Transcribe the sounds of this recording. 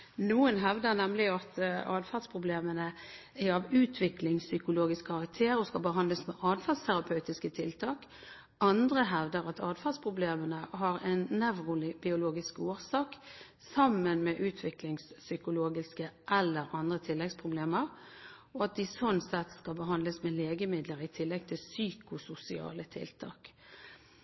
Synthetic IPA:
nuːənɦɛʋd̪əʁnɛmlɪɑt̪ɑːd̪fɑd̪spʰʁʊbleːmənə | æɾɑʋʉːt̪ʰʋɪklɪŋssʏkʊloːɡɪskkʰɑʁɑk̚t̪ʰeːɾɔskɑbəɦɑnd̪ləsmɛʔɑːd̪fɑlst̪ʰæɾɑpʰɑʉt̪ɪskət̪ʰɪlt̪ʰɑːk | ʔɑnd̪ʁəɦɛʋd̪əɾɑt̪ʰɑːd̪fɑd̪spʰʁʊbleːmənəɦɑɾɛɪnnɛʋʁʊlɪbɪʊloːɡɪskoːʁsɑːk | sɑmːənmɛʔʉːt̪ʰʋɪklɪŋssʏkʊloːɡɪskəʔɛlːəɾɑnd̪ʁət̪ʰɪlːɛɡspʰʁʊbleːməʁ | ɔɑt̪̚d̪ɪsɔnsɛt̪skɑbəɦɑnd̪ləsmɛleːɡəmɪd̪ləɾɪt̪ʰɪlːɛɡ̚t̪ʰɪlsyːkʊsʊsɪɑ̰ːlət̪ʰɪ̰lt̪ʰɑ̰ːk

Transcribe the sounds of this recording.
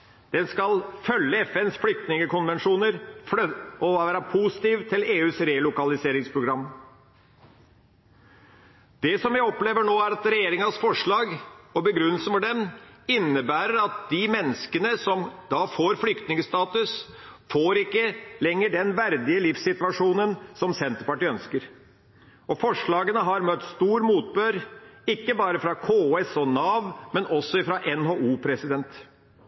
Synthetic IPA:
d̪̥ɛnskɑlfœlːəɛfɛnsflʏk̚t̪nɪŋəkʊnʋɛnʂuːnəɾfɔʋæːɾɑpʰusɪ̥t̪iːʋt̪ʰɪleːʉːsɾelʊkɑlɪseːɾɪŋspʰɾʊɡɾɑmː | d̪̥ɛsɔmʋɪɔpleːʋəɳoːæɾɑt̪ɾɛjeːɾɪŋɑsfɔʂɭɑːɡɔbəɡɾʉnːəl̩səfɔɖɛmɪnːəbæːɾəɾɑt̪̚d̪̥imɛnːəskənəsɔmd̪ɑfoːɾflʏkt̪nɪŋəst̪ɑːt̪ʉs | foːɾɪkːəlɛŋːəɖɛnʋæɾd̪ɪəlɪfsɪt̪ʋɑʂuːnənsɔmsɛnt̪əɾpɑʈiːœnskəɾ | ɔfɔʂɭɑːɡənəɦɑɾmœt̪ːst̪uːɾmuːt̪̚bøːɾɪkːəbɑːɾəfɾɑkʰoːɛsɔnɑːʋmɛnɔsːɔɪfɾɑʔɛnɦoːuːpʰɾɛsɪd̪ɛnt̪

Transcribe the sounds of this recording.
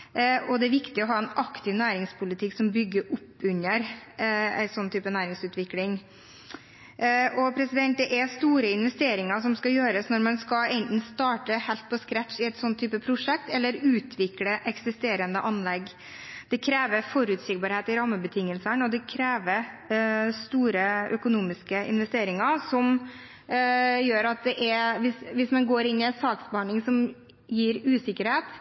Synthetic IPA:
ʔɔd̪ɛæɾʋɪkt̪ɪɔɦɑːɛnɑkt̪ʰɪʋnæːɾɪŋspʰʊlɪt̪ʰɪksɔmbʏɡːəɾʔʊpːʉɲːəɾ | æ̰ɪsɔnːt̪ʰyːpənæːɾɪŋsʉːt̪ʋɪklɪŋ | ʔɔpʰɾɛsɪd̪ɛnt̪̚d̪ɛʔɛst̪uːɾəɪnʋɛst̪eːɾɪŋɑsɔmskɑjøːɾəsnɔɾmɑnskɑɛɪnt̪n̩st̪ɑːʈəhɛlt̪̚pʰɔskɾæt̪ʃɪɛɪt̪sɔnt̪ʰːyːpəpʰɾʊʂɛk̚t̪ɛlːəɾʉːt̪ʰʋɪkləʔɛksɪst̪eːɾənd̪əʔɑnlɛɡ | d̪̥ɛkʰɾeːʋəfɔɾʉːt̪sɪkbɑːɾheːt̪ɪɾɑmːəbət̪ʰɪŋːəlsəɳɔd̪ɛkʰɾeːʋəɾ | st̪uːɾəœkʊnuːmɪskəɪ̰nʋɛst̪eːɾɪŋɑsɔm | jøːɾɑt̪̚d̪ɛʔɛʋɪsʋɪsmɛnɡoːɾɪnːɪɛt̪sɑːksbɑɳɪŋsɔm | jiːɾʉːsɪkːəɾheːt̪

